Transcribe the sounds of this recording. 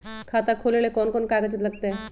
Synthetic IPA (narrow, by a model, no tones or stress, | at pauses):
kʰaːt̪akʰoːlelekɔːnkɔːnkaːɡəd͡ʒələɡ̚t̪eɛ